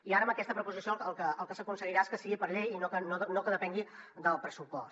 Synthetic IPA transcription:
iaɾəməkɛst̪əpɾəpuzisioəlˠkəəlˠkəsəkunsəɣiɾaeskəsiɣipəɾʎejinokənonokəðəpɛŋɡid̪əlˠpɾəsupɔs

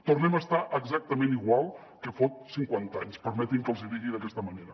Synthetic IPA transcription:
t̪urnɛməst̪aʔəɡzak̚t̪əmẽniɣwalˠ | kəfot̪̚siŋkwant̪aɲspəɾmɛt̪imkəlˠziðiɣiðəkɛst̪əməneɾə

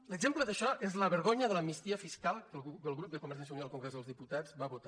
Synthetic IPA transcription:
ləɡzempləðəʃɔezləβəɾɣoɲəðələmist̪iəfiskalˠkəəlˠɣɾup̚d̪əkuməɾs̬ans̬jounialˠkuŋɡɾɛzðəlˠzðiput̪az̥βaβut̪a

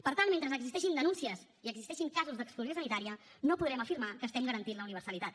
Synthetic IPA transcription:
pəɾt̪anment̪ɾəzəɡzist̪ɛʃind̪ənunsiəs | iəɡzist̪ɛʃiŋkazuzd̪əkskluzjosənit̪aɾiə | nopuðɾɛməfiɾmakəːst̪ɛmɡəɾənt̪inləuniβɾsəlit̪at̪

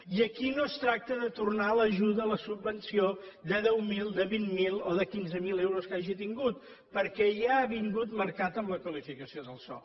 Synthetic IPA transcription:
iəkinost̪ɾak̚t̪əðət̪urnaləʒuðəːləsubːənsiod̪əðɛwmilˠd̪əβimmilˠoðəkinzəmilewɾoskaʒit̪iŋɡut̪ | pəɾkɛʒaːβiŋɡut̪məɾkat̪əmləkwəlifikəsioðəlˠsɔ̰

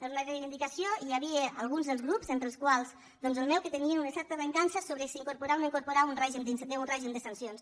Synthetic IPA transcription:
pəɾunərejβind̪ikasioiaβiealˠɣunzðəlˠzɣɾupzent̪ɾəlˠskwalˠz | d̪ɔnzəlˠmɛwkət̪əniənunəsɛɾt̪əβəŋkansəsoβɾəsiːŋkuɾpuɾanoiŋkuɾpuɾaunreʒimd̪inseunreʒimd̪əsansions

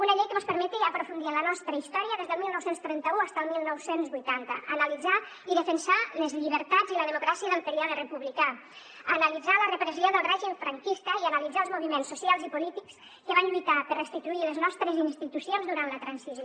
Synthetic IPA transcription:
unəʎejkəməspəɾmɛt̪iəpɾufund̪iələnɔst̪ɾəist̪ɔɾiəðezðəlˠmilˠnɔwsenst̪ɾɛnt̪əuast̪əlˠmilˠnɔwsenzβujt̪ant̪əʔːnəlid͡za | iðəfənsaləzʎiβəɾt̪ad͡ziləðəmukɾasiəðəlt̪əɾiaɾərəpuβlika | ənəlid͡zalərəpɾəzioðəlˠrɛʒiɱfɾəŋkist̪əiənalid͡zalˠzmuβimensːusialˠzipulit̪iks | kəβanʎujt̪apərəst̪it̪uiləznɔst̪ɾəzinst̪it̪usionzðuɾant̪lət̪ɾansiz

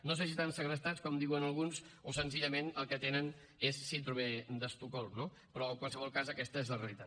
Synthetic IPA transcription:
nos̬es̬it̪ansəɣɾəst̪at͡skɔmd̪iwənəlˠɣunsosənziʎəmenəlˠkət̪enən | esːint̪ɾumed̪əst̪ukɔlˠno | pɾɔəŋkwalˠsəβ̞ɔlˠkazəkɛst̪əezləreəlit̪at̪

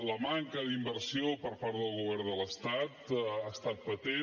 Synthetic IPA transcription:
ləmaŋkəðimbəɾsiopəɾpaɾðəlˠɣuβɛɾnd̪ələst̪at̪ast̪at̪̚pət̪e

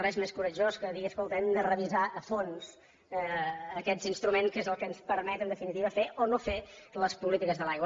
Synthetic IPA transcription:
rɛzmeskuɾəʒoskəðiiəskolˠt̪ɛmd̪ərəβizaəfons | əkɛzinst̪ɾumenskezəlˠkənspəɾmɛt̪ənd̪əfinit̪iβəfeʔonofeləspulit̪ikəzðəlajɣ

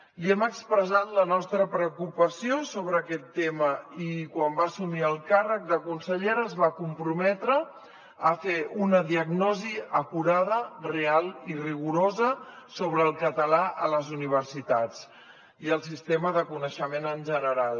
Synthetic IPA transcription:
liɛməkspɾəzat̪lənɔst̪ɾəpɾəukupəsiosoβɾəːkɛt̪ːeməikwambasumiəlˠkarək̚d̪əkunsəʎeɾəzβakumpɾumɛt̪ɾəː | feunəðiəɡnɔziəkuɾaðərealiriɣ̞uɾozəsoβɾəːlˠkət̪əlaʔə̰ləzuniβ̞ərsit̪at͡s | iəlˠsist̪eməðəkunəʃəmenənʲʒənəɾalˠ

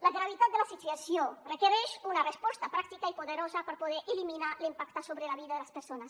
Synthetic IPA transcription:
laɣɾaβit̪at̪̚d̪elasit̪yasjorekeɾɛʃunarespɔst̪apɾak̚t̪ikaipoðeɾozapəɾpoð̞ɛɾʔeliminalimpakt̪asoβɾelaβiðaðelaspəɾsonas

